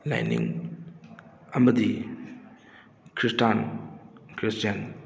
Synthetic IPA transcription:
la̰jnḭŋ | ɐmɐd̪i | kɾisʈan | kɾistjan

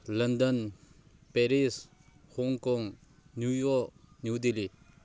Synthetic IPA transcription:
lɐnd̪ən | pɛɾis | hɔŋkɔŋ | njujɔk̚njud̪eli

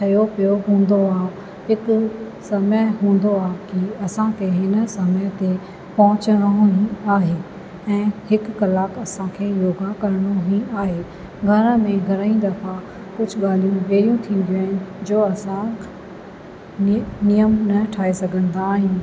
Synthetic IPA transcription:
t̪ʰɐjopijoɦũːn̆d̪oaːɦ | ɦɪk | sɐməjɦũːn̆d̪oaːɦkiɐsãkʰeɦɪnsɐməjt̪e | pɐɦʊ̃t͡ɕəɽ̃ɦĩaːɦeː | ɛ̃ːhɪkːɐlaːkɐsãkʰeːjoːɡakɐɾɽ̃oɦĩaːɦeː | ɡʱɐɾə̃mẽɡʱɐɾəĩd̪ɐfa | kʊd͡ʑʱʊɠaːl̤ijũʋeːɾijũt̪ʰĩːn̆d̪iaːɦɪnɪ̆d͡ʑoːɐsã | nijəmnɐʈʰaːesɐɡʱə̃nd̪aːɦɪn̆

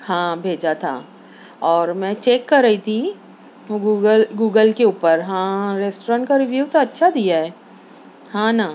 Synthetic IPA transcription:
hãːbʱeːd͡ʒat̪ʰa̰ː | ɔːɾmɛ̃ːt͡ʃeːkːɐɾːɐit̪ʰi | ɡuːɡəlɡuːɡəlkeuːpəɾɦãːɾeːsʈoɾãɳʈkaɾɪʋjuːt̪oɐtːʃʰad̪ijaɦɛː | hãːna

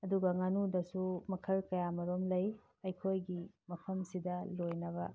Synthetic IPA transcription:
ɐduɡɐŋɐnudɐsumɐkʰɐlkɐjamɐɾomlɐj | ɐjkʰojɡimɐpʰɐmsidɐlojnɐbɐ̰

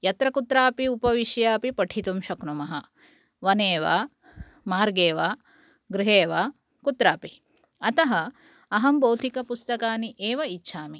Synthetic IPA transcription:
jɐt̪ɾɐkut̪ɾaːpiupɐʋiʃjaːpipɐʈʰit̪umʃɐknumɐɦɐ | ʋɐneːʋaː | maːɾɡeːʋaː | ɡɾiɦeːʋaː | kut̪ɾaːpi | ɐt̪ɐɦɐ̆ | ɐɦɐmbowd̪ʱikɐpust̪ɐkaːniʔeːʋɐitːʃʰaːmi

